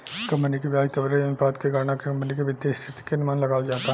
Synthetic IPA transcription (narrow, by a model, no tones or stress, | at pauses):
kɐ̃mpənikeʋjaːd͡ʒkɐbɾejɐmpaːd̪keɡaːɾnakekɐ̃mpnikeʋɪd̪eːʃt̪ʰɪt̪i̥kenɪmaːnlɐɡaːld͡ʒaːt̪aɦ